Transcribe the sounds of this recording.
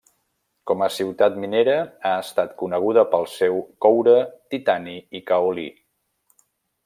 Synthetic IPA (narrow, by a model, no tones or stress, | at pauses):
kɔməsiwt̪at̪mineɾəaəst̪at̪kunəɣ̞uðəpəlˠsewkɔwɾət̪it̪aniikəulḭ